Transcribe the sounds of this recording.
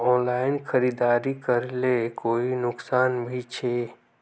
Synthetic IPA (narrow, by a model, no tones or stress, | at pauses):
ɔ̃ːnlaːɪnxəɾiːd̪aːɾikəɾlekoːinʊksaːnbʱit͡ʃʰeː